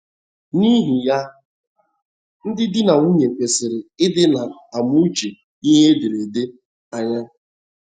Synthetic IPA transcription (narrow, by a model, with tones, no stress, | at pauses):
ni˦ɦi˨ja˦ | n̩˦dɪ˦dɪ˦na˨ŋu˦ɲe˨k͡pe˨sɪ˨ɾɪ˨ɪ˦dɪ˦na˨a˨mu˦t͡ʃe˨ | i˦ɦe˦dɪ˨ɾe˨de˦ | a˦ɲa˦